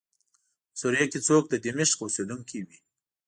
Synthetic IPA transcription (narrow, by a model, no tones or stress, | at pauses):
suɾjaket͡sok̚d̪əd̪ɪmɪʃkosed̪uŋkiwi